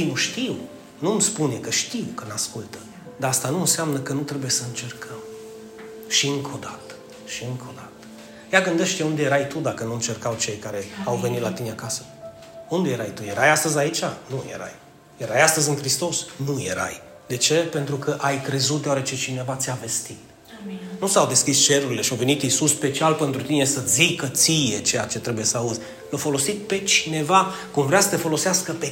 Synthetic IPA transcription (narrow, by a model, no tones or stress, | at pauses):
inuʃt̪iw | numspunekəʃt̪iwkənaskult̪ə | d̪aast̪anuɨnseamnəkənut̪ɾe̞buje̞səɨnt͡ʃe̞rkʰəm | ʃiɨŋkʰo̞d̪at̪ə̥ | ʃiɨŋkʰo̞d̪at̪ə̥ | jaɡɨnd̪eʃt̪ʲjeund̪e̞jeɾajt̪ud̪akənuɨnt͡ʃe̞rkawt͡ʃe̞jkaɾe̞awve̞nit̪lat̪ineakasə̥ | und̪ejeɾajt̪uje̞ɾajast̪əzʲait͡ʃanujḛɾa̰j | je̞ɾajast̪əzʲɨnkɾist̪o̞snuje̞̰ɾa̰j | d̪e̞t͡ʃe̞pe̞nt̪ɾukəʔajkɾe̞zut̪d̪eaɾet͡ʃe̞t͡ʃine̞vat̪sʲave̞st̪it̪ | nusawd̪e̞skist͡ʃe̞ɾuɾile̞ʃiawve̞nit̪isusːpe̞t͡ʃialpe̞nt̪ɾut̪ine̞səsikət̪sije̞t͡ʃe̞jat͡ʃe̞t̪ɾe̞bujesəauzʲ | lofo̞lo̞sit̪̚pe̞t͡ʃine̞va | kumvɾeasə̥t̪e̞fo̞lo̞seaskəpe